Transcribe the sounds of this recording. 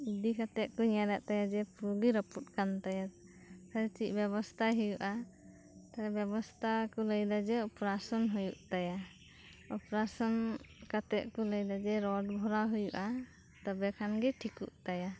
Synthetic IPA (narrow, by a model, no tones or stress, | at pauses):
id̪ikat̪ɛʔ̪̚kɔɲaɾaʔt̪ajad͡ʒɛpɾuɡiɾəput̪̚kant̪aja | kʰaɾt͡ʃic̚ˀbɛβɔst̪ʰaɦujuʔa | t̪aɾɛbjɛbɔst̪ʰakɔləjd̪ad͡ʒɛɔpɾasɔnɦujuʔt̪aja | ɔpɾasɔnkat̪ɛʔkɔləjd̪ad͡ʒɛɾɔɖbʱɔɾaɦujuʔa | t̪ɔbɛkʰanɡɛʈʰikuʔt̪aja